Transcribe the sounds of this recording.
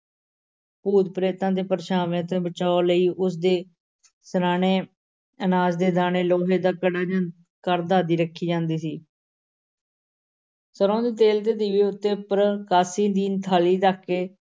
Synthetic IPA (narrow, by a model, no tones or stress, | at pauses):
puːd̪pɾeːt̪ãːd̪eːpəɾʃaːʋẽːt̪eːbət͡ʃaːoləiːʔʊs̬d̪eː | səɾaːɳeː | ənaːzd̪eːd̪aːneːloːɦeːd̪aːkəɽaːd͡ʒ | kəɾd̪aːd̪iːɾəkʰːiːd͡ʒãːnd̪iːsiː | səɾõːd̪iːt̪eːlt̪eːd̪iːʋiːʊt̪ːeːpəɾəkaːsiːd̪iːnt̪ʰaːliːt̪aːkːeː